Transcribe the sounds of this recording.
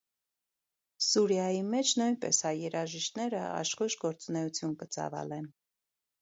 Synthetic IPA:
suɾjɑjimɛt͡ʃʰnujnpɛ̰shɑjjɛɾɑʒiʃt̪nɛɾəɑ̰ʃχuʃɡɔɾt͡sunɛut͡sʰjunkət͡sɑ̰vɑ̰lɛn

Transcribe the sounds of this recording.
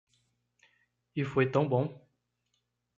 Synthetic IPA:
ilfoɛt̪ːɑ̃bɔ̃

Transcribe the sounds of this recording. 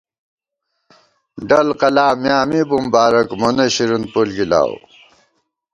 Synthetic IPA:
ɖɐlqɐlaːmjaːmibumbaːɾɐkmoneɕiɾunpulɡila̰ːw

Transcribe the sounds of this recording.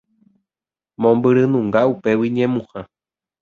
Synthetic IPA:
mõmbɨɾɨnũŋɡaupewiɲẽmũha

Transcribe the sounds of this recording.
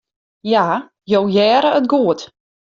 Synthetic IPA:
ja | jowjɛːɾəətɡuət

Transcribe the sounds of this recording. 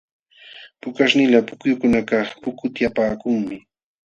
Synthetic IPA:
pʊkaʃnɪlapʊkjʊkʊnakɑχpʊkʊt̪japaːkʊŋmɪ

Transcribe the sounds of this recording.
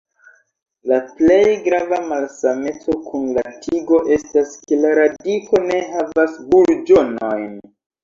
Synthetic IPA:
laple̞jɡɾavamalsame̞t͡so̞kʰunlatʰiɡo̞ʔe̞staske̞laɾadikʰo̞ne̞ɦavasbuld͡ʒo̞no̞jn

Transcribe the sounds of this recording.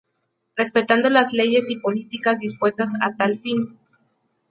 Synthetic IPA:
re̞spe̞t̪and̪o̞lazle̞ʝe̞sipo̞lit̪ikazðispwe̞st̪asat̪alfin

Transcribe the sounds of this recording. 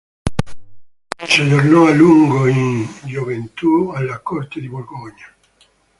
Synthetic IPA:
seʎoɾnoaluŋɡoiŋd͡ʒoβent̪ualakoɾt̪eðiβolɡoɲa

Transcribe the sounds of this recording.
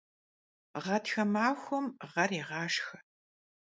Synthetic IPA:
ʁɐtxɐmaːxʷɔmʁɐɾiːʁɑːʂxɐ̥

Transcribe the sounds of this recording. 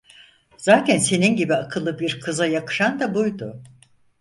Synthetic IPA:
z̥aːt̪ʰɛnse̞ninɟibiakʰɯlˠːɯbiɾkʰɯzajakɯ̥ʃand̪abujd̪ʊ

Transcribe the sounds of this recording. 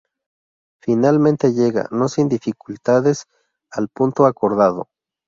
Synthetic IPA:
finalmẽnt̪eʝeɣa̰nosind̪ifikult̪aðes | alpunt̪oakoɾðaðo̰

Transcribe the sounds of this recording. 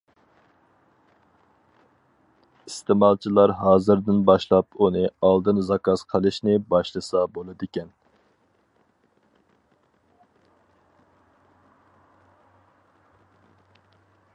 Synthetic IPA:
ist̪ʰɪmɑlˠt͡ʃʰilˠɑɾɦɑːzɨɾd̪ɪnbɑʃlˠɑpʰunɨɑlˠd̪ɨnzɑkʰɑz̥qʰəlˠɨʃnɪbɑʃlˠɨsɑbolˠɨd̪ɪkʲɛn

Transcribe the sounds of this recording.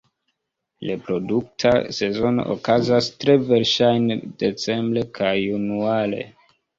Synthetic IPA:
lepɾo̞duk̚tʰa̰se̞zo̞no̰ʔo̰kazastɾe̞ve̞ɾʃajnd̥e̞t͡se̞mbɾe̞kʰajunuale̞̰

